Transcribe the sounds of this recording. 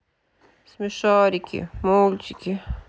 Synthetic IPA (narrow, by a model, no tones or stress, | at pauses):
smiʃaːɾikḭmoːlt͡ʃiki